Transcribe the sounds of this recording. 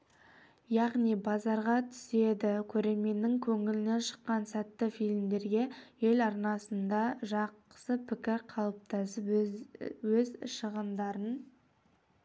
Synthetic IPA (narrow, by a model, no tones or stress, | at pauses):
jɑʁnijbɑzɑɾʁɑt̪ʰʏ̥se̞d̪ɪkʲʰɵɾe̞me̞nːɪŋkʲʰɵŋɪlɪne̞nʃə̥qːɑnsæt̪ːɪfijlmd̪e̞ɾɡʲe̞je̞lɑɾnɑsənd̪ɑʒɑqə̥səpʰɪkʲɪɾqʰɑlˠəp̚t̪ʰɑsəp | wɵzʃəʁəmd̪ɑɾən